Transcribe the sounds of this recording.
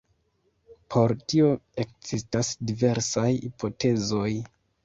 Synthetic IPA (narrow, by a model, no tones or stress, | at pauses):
pʰo̞ɾtio̞e̞k̚z̥istasdive̞ɾsajipo̞te̞zo̞j